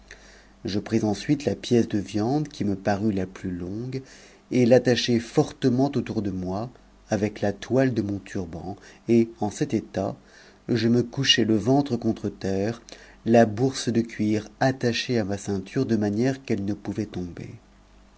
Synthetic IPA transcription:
ʒəpχizɑ̃sɥit̪lapjɛsd̪əvjɑ̃d̪kʲiməpaʁylaplylɔ̃ɡ | elat̪aʃɛfɔʁt̪əmɑ̃t̪ot̪uʁd̪əmwaː | vɛklat̪wald̪əmɔ̃t̪ʰyʁbɑ̃eɑ̃sɛt̪et̪a | ʒəməkuʃɛləvɑ̃t̪χəkɔ̃t̪χət̪ɛːʁ | labuʁsd̪əkʲɥiʁat̪aʃeamasɛ̃t̪ʰyʁd̪əmanjɛʁkɛlnəpuvɛt̪ɔ̃bḛ

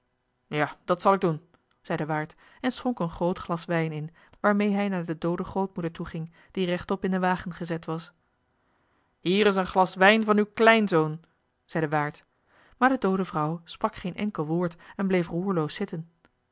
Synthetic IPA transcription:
jaːd̥ɑtsɑlˠɪɡ̚dun | z̥ɛjdəʋaːɹt | ɛnsχɔŋkənχrowtχlɑsʋɛjnɪn | ʋaːɹmejɦɛjnaːɹdədowdəχrowt̚mudəɹtuχɪŋ | d̥irɛχtɔpɪndəʋaːχənχəzɛtʋɑs | ɦiːɾɪsənχlɑsʋɛjnvɑnywklɛjnzown | z̥ɛjdəʋaːɹt | maːɹdədowdəvrʌwsprɑkχejnʔɛ̰ŋkəlˠʋʊːɹtɛnblejfruːɹlowsɪtən

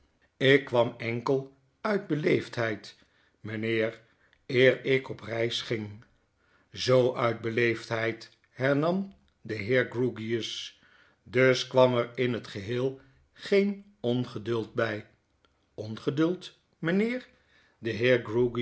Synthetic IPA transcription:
ɪkːʋɑmɛŋkəlˠ | œɥd̚bəlejftɦɛjt | mənɪːɹ | ɪːɹɪkɔprɛjsχɪŋ | zowʔœɥd̚bəlejftɦɛjt | ɦɛɹnɑm | dəɦɪːɹɡruɡiəs | dɵskʋɑmɛɹɪnɦətχəɦeːlˠ | χejn | ɔnχədɵlˠt̚bɛj | ɔnχədɵlˠt | mənɪːɹ | dəɦɪːɹɡruɡi

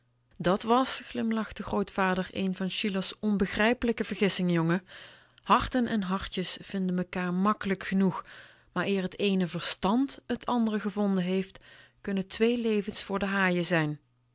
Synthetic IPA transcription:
dɑtʋɑsχlɪmlɑχdəxrowtfaːdəɹḛjnvɑnʃiləsɔnbəɣrɛjpələkəvəɹχɪsɪŋəjoŋə | hɑɹtənʔɛnɦɑɹtjəsv̥ɪndənməkaːɹmɑkələkχənux | maːɹɪːɹɦətejnəvəɹstɑntɦətʰɑndərəɣəvɔndənɦejftkɵnətʋejlejvənsfʊːɹdəɦaːjəzɛjn

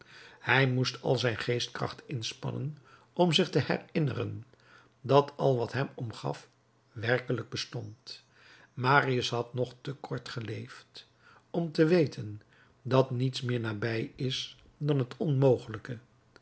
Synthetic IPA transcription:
hɛjmustʰɑ̰lˠzɛjnχejstkrɑ̰χtɪnspɑ̰nə̰n | ɔmzɪχtəhɛ̰rɪnə̰rə̰n | dɑtʰɑlˠʋɑtɦɛmɔmχɑ̰f | ʋɛrkələɡ̚bəstɔnt | maːriəsɦɑtnɔχtəkʰɔɹtχəlejft | ɔmtəʋejtʰən | dɑtnitsmɪːɹnaːbɛjɪs | dɑnɦətʰɔnmowχələkə

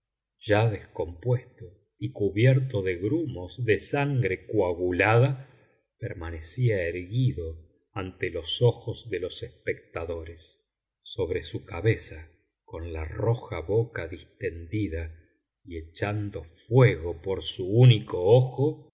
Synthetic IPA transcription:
ʒ̥aðesko̞mpwest̪o | ikuβjɛɾt̪oðe̞ɣɾumozðesaŋɡɾe̞kwaɣulaða | peɾmanesiaeɾɣiðo̞ | ant̪elo̞soxozðelo̞sespek̚t̪aðo̞ɾesː | o̞βɾe̞sukaβesa | ko̞nla̰roxaβokaðist̪e̞nd̪iða | ie̞t͡ʃand̪o̞fweɣopoɾsuunikooxo

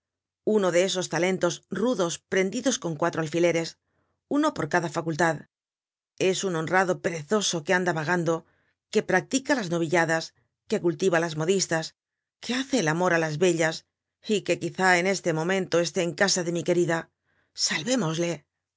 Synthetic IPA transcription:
uno̞ðe̞eso̞st̪ale̞nt̪o̞sruðo̞spɾe̞nd̪iðo̞sko̞ŋkwat̪ɾo̞alfile̞ɾe̞s | uno̞po̞ɾkaðafakult̪að | e̞suno̞nraðo̞pe̞ɾe̞θo̞so̞ke̞and̪aβaɣ̞and̪o̞ | ke̞pɾak̚t̪ikalazno̞β̞iʎaðas | ke̞kult̪iβalazmo̞ðist̪as | ke̞aθe̞ːlamo̞ɾalazβe̞ʎas | ike̞kiθae̞ne̞st̪e̞mõ̞mẽ̞nt̪o̞e̞s̬t̪e̞ːŋkasaðe̞mike̞ɾiða | salβe̞mo̞zle̞

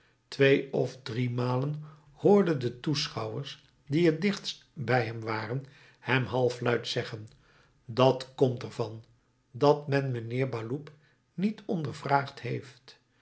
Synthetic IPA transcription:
tʋejɔvdrimaːlən | hʊːɹdəndətusχɑwəɹs | diədɪχts | bɛjɦɛmʋaːrən | hɛmɦɑlˠflœɥtsɛχən | dɑtkɔmtɛɹvɑn | dɑtmɛnmənɪːɹbaːlup | nitɔndəɹvraːχtɦejft

